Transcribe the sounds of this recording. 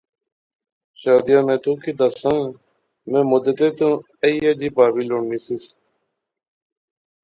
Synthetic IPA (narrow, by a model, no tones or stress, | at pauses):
ʃaːd̪ɪjãːmẽːt̪ʰũːkiːd̪asãː | mẽːmʊd̪ət̪eːt̪ũː | əiːjad͡ʒiːpaːʋiːloːɳniːsɪs